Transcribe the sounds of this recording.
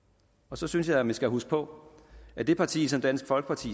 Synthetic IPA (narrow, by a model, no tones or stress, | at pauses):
ɒ̽sɒ̽synsjɑ̈ɪmænsɡ̥æɦusɡ̥pʰɒ̽ | æd̥e̝pʰɑ̈t͡sʰḭːsɒ̽md̥æn̰sɡ̥fɒ̽lɡ̥ə̥pʰɑ̈t͡sʰḭː